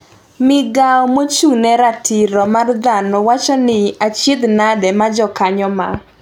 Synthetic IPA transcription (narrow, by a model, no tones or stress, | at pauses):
mɪɡaɔmot͡ʃunɛɾatʰiɾɔmard̪anɔwat͡ʃɔnɪat͡ʃɪd̪nadɛmad͡ʒɔkaɲɔma̰